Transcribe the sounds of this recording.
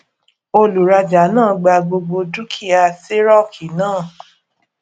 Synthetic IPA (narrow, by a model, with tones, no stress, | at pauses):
o˧lu˨ɾa˧d͡ʒa˨˦nãː˦˨ɡ͡ba˧ɡ͡bo˧ɡ͡bo˧du˦kʰi˦˨a˧˨se˦ɾɔ˦˨kʰi˨˦nãː˦˨